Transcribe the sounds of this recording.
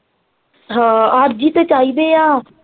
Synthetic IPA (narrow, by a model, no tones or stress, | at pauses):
ɦãaːɾd͡ʒit̪et͡ʃaːibejaː